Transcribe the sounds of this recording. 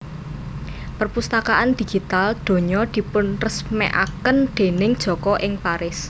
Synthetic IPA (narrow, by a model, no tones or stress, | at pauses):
pərpust̪akaʔand̪̥i̤ɡ̥i̤t̪ald̪̥o̤ɲɔd̪̥i̤pʊnrəsmɛ̰ʔa̰kənd̪̥e̤nɪŋd̥ʒ̥ɔ̤kɔʔɪŋpaɾɪs